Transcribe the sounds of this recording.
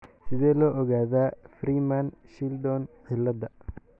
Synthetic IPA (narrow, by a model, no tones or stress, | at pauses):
sɪðɛːlɔːʔɔɣaːðaːfriːmanʃild̪ɔːnʕɪlːɐðɐ